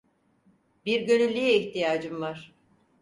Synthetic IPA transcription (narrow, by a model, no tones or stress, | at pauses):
biɾɟø̞nylʲːiiçt̪ijaːd͡ʒɯmvaɾ̥